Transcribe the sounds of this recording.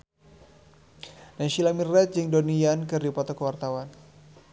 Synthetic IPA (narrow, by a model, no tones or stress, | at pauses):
naʃilamirɛt̪̚d͡ʒɨŋdoniankɨrdipat̪ɔkəwart̪awan